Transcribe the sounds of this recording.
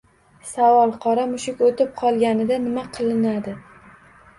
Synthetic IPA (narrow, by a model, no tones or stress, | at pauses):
savɒlˠqʰɒɾamʊʃɪkʲot̪ɪp̚qʰɒlˠɡʲanɪd̪anɪmaqʰɨlˠɪnad̪ɪ